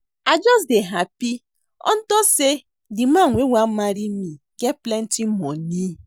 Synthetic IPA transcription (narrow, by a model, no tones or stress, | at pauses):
ad͡ʒɔs̬deɦapi | ɔ̰n̩tɔse | dɪm̩aŋʷewʷamaɾimi | keplen̩tim̩mɔni